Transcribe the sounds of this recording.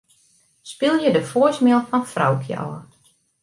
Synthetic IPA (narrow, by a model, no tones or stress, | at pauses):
spɪlˠjədəfoəsmɪlˠfɔnfra̰wkʰjə̰ʔɔ̰ː